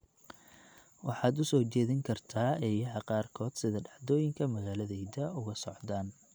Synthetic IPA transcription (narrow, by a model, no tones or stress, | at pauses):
wɑħɑːd̪ʊsɔːt͡ʃɛːðɪŋkʰɐrt̪ʰaːɛjɐɦɐqɑːrkʰɔːd̪sɪðɐɖɑħd̪ɔːjɪŋkʰɐmɐɣaːlɐðɛjd̪ɐʊɣɐsɔʕd̪aːn